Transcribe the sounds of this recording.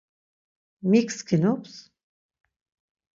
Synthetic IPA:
mikskʰinups

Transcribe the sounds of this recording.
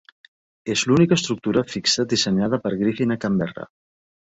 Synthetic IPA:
ezlunikəːst̪ɾuk̚t̪uɾafiksəd̪isəɲað̞əpəɾɣɾifinakambɛra̰

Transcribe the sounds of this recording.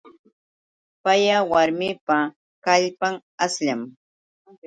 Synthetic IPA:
pajawaɾmɪpa | kaʎpaŋ | asʎam

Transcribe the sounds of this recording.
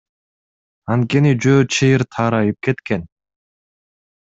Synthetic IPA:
ɑnt̪̚ke̞nid͡ʒøːt͡ʃʰejiɾt̪ʰɑːɾɑjɯp̚ke̞t̪ken

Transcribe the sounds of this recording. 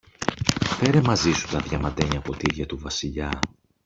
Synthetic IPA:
pe̞ɾemɐzisut̪ɐðʝɐmɐd̪e̞ɲɐpo̞t̪iiɾʝɐt̪uvɐsiʎɐ

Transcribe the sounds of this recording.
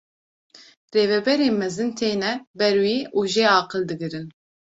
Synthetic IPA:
reːvɛbɛɾeːmɛzɨnt̪ʰeːnɛbɛɾwiːʔuːʒeːɑːqɨld̪ɨɡɨɾɨn

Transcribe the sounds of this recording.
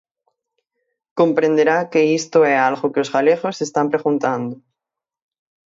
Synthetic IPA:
ko̞mpɾe̞nd̪eɾake̞ist̪oealɣokeoszɣaleɣosest̪ampɾe̞ɣunt̪and̪o

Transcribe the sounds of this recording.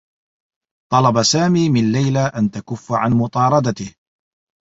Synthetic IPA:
t̪ˤɑlɑbasaːmiːmɪnlajlaʔant̪akʊfːaʕanmʊt̪ˤɑːɾˤɑd̪at̪ɪh

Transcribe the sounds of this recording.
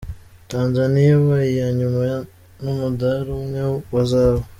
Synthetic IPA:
taːnzanijawaijaɲumaja | numudaɾumŋewazaβo

